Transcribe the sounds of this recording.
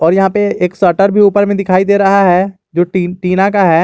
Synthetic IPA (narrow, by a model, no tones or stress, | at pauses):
ɔːɾjɐɦãpeeːksəɾʈəɾbʱiuːpəɾmẽd̪ɪkʰaːid̪eːɾɐɦaɦɛː | d͡ʒoːʈiʈiːnakaɦɛː